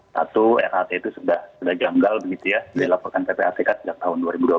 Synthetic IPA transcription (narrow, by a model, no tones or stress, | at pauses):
sa̰t̪uɛ̰ɾat̪eit̪usudahsudahd͡ʒaŋɡalbəɡit̪ujadalapɔrkanpepeat̪ekat̪səd͡ʒak̚t̪aɦʊnduaɾibudua